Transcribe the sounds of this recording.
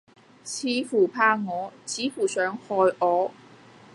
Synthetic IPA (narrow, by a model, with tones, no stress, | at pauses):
t͡ɕʰiː˨˥fuː˨˩pʰaː˥˧ŋɔː˨˥t͡ɕʰiː˨˥fu˨˩sœː˨˥ŋhɔː˨˩jʔɔː˨˧˦